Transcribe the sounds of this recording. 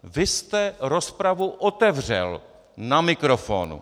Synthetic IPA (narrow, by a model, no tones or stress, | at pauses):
vɪst̪ɛɾo̞spɾavuʔot̪ɛvr̝ɛ̰l | namɪkɾofo̰ːnṵ